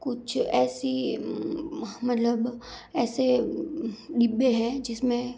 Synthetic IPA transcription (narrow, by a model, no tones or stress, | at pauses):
kʊt͡ʃʰɛːsi | mɐt̪ləb | ɛːse | ɖɪbeɦɛ̃d͡ʒɪsmẽ